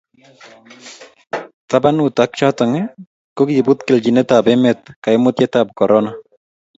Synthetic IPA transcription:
t̪abanutak̚t͡ʃat̪ɔŋɛ | kokjibʊt̪kɛld͡ʒinɛtabɛmɛt̪̚kaɪmʊt̪jɛtap̚kɔɾʔɔna

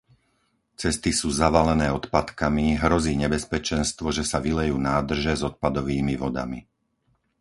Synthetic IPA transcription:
t͡sɛst̪isuːzaʋalɛnɛːɔt̪pat̪kamiɦɾɔziːɲɛbɛspɛt͡ʃɛnst̪ʋɔʒɛsaʋilɛjuːnaːd̪r̩ʒɛzɔt̪̚pad̪ɔʋiːmiʋɔd̪a̰mi

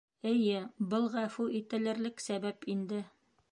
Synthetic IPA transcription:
ɘ̆jɘbɤlˠʁæfuʔit̪ɘ̆lɘ̆ɾlɘksæbæpind̪ɘ

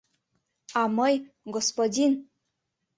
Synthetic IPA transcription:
ɑmɤj | ɡospodʲin

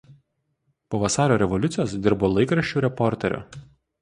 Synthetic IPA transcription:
poːʋɐsɑːɾʲoːɾʲɛʋɔlʲʊt̪sʲɪjoːsd̪ʲɪɾboːlˠɐɪkɾɐʃʲt͡ʃʲuːɾʲɛpɔɾʲt̪ʲɛɾʲo̰ː

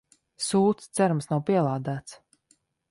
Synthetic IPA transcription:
suːt̪st̪sæɾumsnawpiɛlˠaːd̪æːt̪s

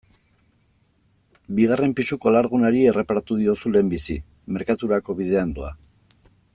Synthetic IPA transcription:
biɣ̞are̞mpisuko̞laɾɣunaɾie̞re̞paɾat̪uð̞io̞sule̞ːmbisi | me̞ɾkat̪uɾako̞βið̞e̞and̪ua

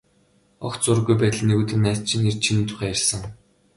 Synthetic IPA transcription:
ɔ̰k̪t͡sʊɾɣujpæːt̪ə̆ɮneɣuːt̪ɘ̆næːt̪t͡ɕʰĭnert͡ɕʰinɘ̆nt̪ʰʊ̥χæːjærʲsə̆ŋ

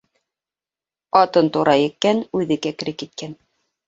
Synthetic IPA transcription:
ɑt̪ɤnt̪uɾʔɑjɘ̆k̚kːænʉðɘ̆kækɘ̆ɾɘk̚kit̪̚kæn

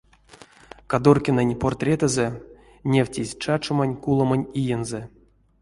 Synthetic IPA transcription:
kad̪orkʲenenʲport̪rʲet̪əzɛ | nʲewtʲizʲt͡ʃat͡ʃomanʲkulˠomanʲijenzɛ

